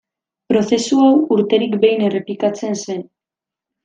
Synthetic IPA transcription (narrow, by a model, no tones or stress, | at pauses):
pɾo̞θe̞suawuɾt̪e̞ɾikbe̞jne̞re̞plikat͡se̞nse̞n